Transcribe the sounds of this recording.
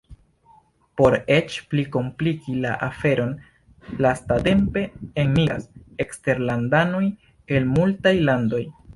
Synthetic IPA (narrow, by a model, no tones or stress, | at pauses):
po̞ɾe̞t͡ʃpliko̞mplikila̰ʔafe̞ɾo̞n | lastate̞mpe̞enmia̰sekste̞ɾlandano̞j | e̞lmultajlando̞j